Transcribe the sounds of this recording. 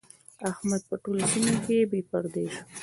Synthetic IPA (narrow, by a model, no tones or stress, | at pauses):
ahmad̪̚pəʈolosimokebepaɾd̪eʒ